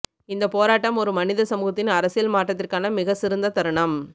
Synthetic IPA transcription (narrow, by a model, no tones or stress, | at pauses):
ɪnd̪ɐpoːɾaːʈːɐmɔɾɯmɐnɪðɐsɐmuːɣɐt̪ːɪnɐɾɐsɪjɐlmaːʈːɐt̪ːɪrkaːnɐmɪɣɐsɪɾɯnd̪ɐt̪ɐɾɐɳɐm